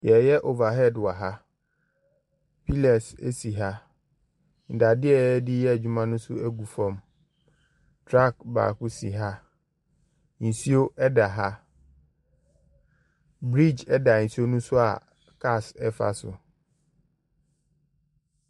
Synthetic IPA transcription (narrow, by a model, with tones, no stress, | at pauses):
jɛ˨jɛ˦ʔo˨va˨ɦɛ˦˨dwa˨ɦa˦ | pʰi˦lɛ˨sḛ˦si˨ɦa˦ | n̩˨da˨dɪ˦ɛ˦dɪ˦jɛ˦˨d͡ʑu˦mã˦nʊ̃˦sʊ˦æ˦ɡu˨fɔ̃˨m | tʰɾa˦˨kba̰˨kʊ˦sḭ˨ɦa˦ | n̩˨si˦o˦ʔɛ˦da˨ɦa˦ | bɾi˦˨d͡ʑɛ˦da˨n̩˨si˦o˦nũ˦sʊ˦a̰˨ | kʰa˦˨sɛ˦fa̰˨sʊ̰˨